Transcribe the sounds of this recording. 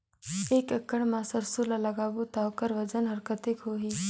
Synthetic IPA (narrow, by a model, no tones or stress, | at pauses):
eːkəkːəɽmãsəɾsulalɐɡaːbut̪awkəɾʋɐd͡ʒənɦɐɾkət̪ɪkɦoːɦiː